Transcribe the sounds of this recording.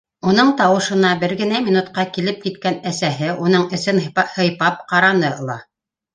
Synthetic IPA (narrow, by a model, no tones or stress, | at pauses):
unɤɴt̪ɑwɤ̆ʃɤ̆nɑbɘɾɡɘ̆næmʲinut̪qɑkilɘp̚kit̪̚kænæsæɦɘʔunɤɴɘ̆sɘnhɤ̆jpɑp̚qɑɾɑnɤɤ̆lˠɑ